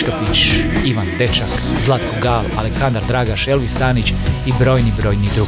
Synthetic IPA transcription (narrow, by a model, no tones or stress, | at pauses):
t̪opit͡ɕiʋant̪et͡ʃak | zlˠat̪koɡaːla̰leksand̪aɾd̪ɾaːɡaʃelʋist̪aːnit͡ɕibɾo̞ːjnibɾo̞ːjnid̪ɾuɡ